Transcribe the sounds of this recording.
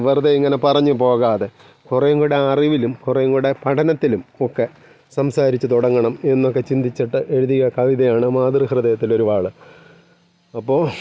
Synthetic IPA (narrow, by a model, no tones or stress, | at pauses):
ʋɐrðɐiŋːɐnepɐrɐɲːupo̞ːɣaːðe | kurejŋɡuɽe̞ɐriʋilumkurejŋɡuɽe̞pɐʈʰɐnɐt̪ːilumokːe | sɐmsaːɾit͡ɕːut̪uɽɐŋːɐɳɐme̞nːo̞kːe̞t͡ɕind̪it͡ɕːiʈːɨʔe̞ɻuðiɣɐkɐʋiðɐjaːɳɨmaːd̪rihrɨðɐjɐt̪ːilo̞ɾubaːɭɨ | ɐpːo̞ː